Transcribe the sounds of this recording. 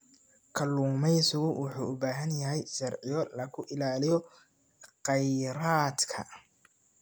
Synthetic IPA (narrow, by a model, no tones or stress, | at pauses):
kʰɐluːmɛjsʊɣʊwʊħuːʊbaːɦɐnjɐɦɛjʃɐrʕɪjɔlɐkʰʊʔɪlaːlɪjɔ | qɛjɾaːd̪kʰɐ̰